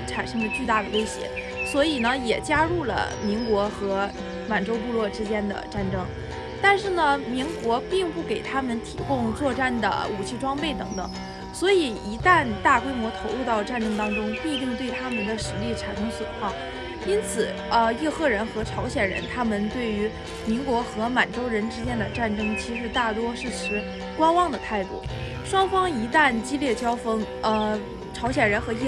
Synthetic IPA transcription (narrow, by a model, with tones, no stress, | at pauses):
ʈ͡ʂʰa˨˩nʂɤ˥ŋd̪ə˧t͡ɕy˥˧t̪a˥˩d̪ə˩we˥ɪɕjɛ̰˧˥ | swɔ˧˥i˨˩nə˦jɛ˨˩t͡ɕja˥ɻu˥˩lə̰˩mi˧˥ŋkwɔ˧˥xɤ˧˥ | ma˨˩nʈ͡ʂo˥ʊp̬u˥˧lwɔ˥˩ʈ͡ʂɻ̩˥t͡ɕjɛ˥nd̪ə̰˨ʈ͡ʂa˥˩nʈ͡ʂɤ˥ŋ | t̪a˥˧nʂɻ̩˥˩nə˩mi˧˥ŋkwɔ˧˥pi˥˧ŋpu˥˩ke˨˩ɪt̪ʰa˥mə˨nt̪ʰi˨˩kʊ˥˧ŋt͡swɔ˥˧ʈ͡ʂa˥˩nd̪ə̰˩u˨˩t͡ɕʰi˥˩ʈ͡ʂwɑ˥ŋpe˥˩ɪt̪ɤ˧˥ŋt̪ɤ˨˩˦ŋ | swɔ˧˥i˨˩i˧˥t̪a˥˧nt̪a˥˩kwe˥ɪmwɔ˧˥t̪ʰo˧˥ʊlu˥˧t̪ɑ˥˧ʊʈ͡ʂa˥˩nʈ͡ʂɤ˥ŋt̪ɑ˥ŋʈ͡ʂʊ˥ŋpi˥˧t̪i˥˧ŋt̪we˥˩ɪt̪ʰa˥mə˨nd̪ə˩ʂɻ̩˧˥li˥˩ʈ͡ʂʰa˨˧˥nʰi˥ɕwə̰˨˩xʰwɑ˥˩ŋ | i˥nt͡sʰɹ̩˨˩˦ | ə˧jɛ˥˧xɤ˥˩ɻə˧˥nxɤ˧˥ʈ͡ʂʰɑ˧˥ʊɕjɛ˨˩nɻə̰˧˥nt̪ʰa˥mə˨nt̪we˥˩ɪy˧˥ | mi˧˥nkwɔ˧˥xɤ˧˥ma˨˩nʈ͡ʂo˥ʊɻə˧˥nʈ͡ʂɻ̩˥t͡ɕjɛ˥nd̪ə˨ʈ͡ʂa˥˩nʈ͡ʂɤ˥ŋt͡ɕʰi˧˥ʂɻ̩˧˥t̪a˥˩t̪wɔ˥ʂɻ̩˥˩ʈ͡ʂʰɻ̩˧˥ | kwa˥nwɑ˥˩ŋd̪ə˩t̪ʰa˥˧ɪt̪ṵ˥˩ | ʂwɑ˥ŋfɑ˥ŋi˧˥t̪a˥˩nt͡ɕi˥ljɛ˥˩t͡ɕjɑ˥ʊfɤ˥ŋ | ə˧˩ | ʈ͡ʂʰɑ˧˥ʊɕjɛ˨˩ɻə˧˥nxɤ˧˥ɛ˥˧